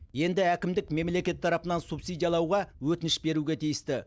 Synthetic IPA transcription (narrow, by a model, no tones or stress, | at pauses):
je̞nd̪ɪækʲɪmd̪ɪkme̞mle̞kʲe̞t̪ʰːɑɾɑpənɑnsupsijd̪ijɑlˠɑwʁɑwɵt̪ɪnɪʃbe̞ɾuɡʲe̞t̪ʰijɪst̪ɪ